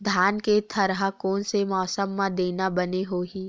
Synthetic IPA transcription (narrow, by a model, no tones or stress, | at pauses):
d̪ʱjaːnket̪ʰɐɾɦakɔːnsemɔːsəmːãd̪eːnabɐneɦoːɦiː